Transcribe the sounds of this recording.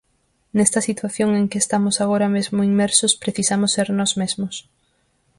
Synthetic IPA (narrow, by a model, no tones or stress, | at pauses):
nest̪ɐsit̪waθjoŋeŋkɪest̪amʊsaɣ̞oɾamezmʊiŋmɛɾsʊspɾeθisamʊsːeɾnɔzmezmʊs